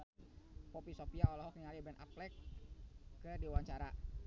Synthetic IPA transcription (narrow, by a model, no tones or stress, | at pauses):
popisopiaɔlɔɦɔkiŋalibɛnʔa̰plɛkː | ədiwaɲt͡ʃaɾa